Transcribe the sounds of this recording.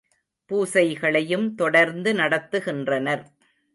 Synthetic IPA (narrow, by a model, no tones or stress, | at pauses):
puːsɐɪɣɐɭɐjɯmt̪ɔɽɐɾnd̪ɯnɐɽɐt̪ːɯɣɪndrɐnɐɾ